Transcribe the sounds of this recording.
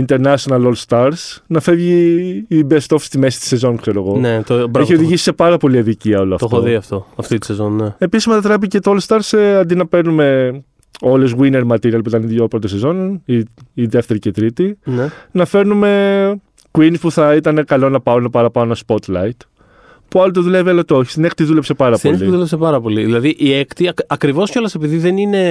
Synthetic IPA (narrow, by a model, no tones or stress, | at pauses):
int̪e̞ɾnɐʃonɐlolst̪ɐɾsnɐfe̞vʝiː | best̪o̞fst̪ime̞si̥t̪i̥se̞zo̞nkseɾoeɣo̞net̪obɾeçio̞ðiʝisi̥se̞pɐɾɐpo̞liɐðiciɐo̞loɐft̪otoðiɐft̪oɐft̪it̪isezonːee̞pisizmet̪ɐt̪ɾep̬icet̪oolst̪ɐɾseɐnd̪inɐpe̞ɾnume̞ | o̞le̞zɣwine̞ɾmɐt̪iɾiɐlp̬uit̪ɐniðjopɾot̪osezo̞niːðe̞ft̪e̞ɾicet̪ɾit̪inenɐfe̞ɾnume̞ | kwinispuθɐit̪ɐne̞kɐlo̞nɐpɐonɐpɐɾɐpɐonɐspo̞t̪lɐit̪ | puɐlot̪eðuleviɐlɐt̪oçi̥st̪ine̞kt̪iðule̞pse̞pɐɾɐpoeliðulesepɐɾɐpo̞liðilɐðiʔiekt̪iɐɐkɾivo̞sco̞lɐsepiðiðe̞nine̞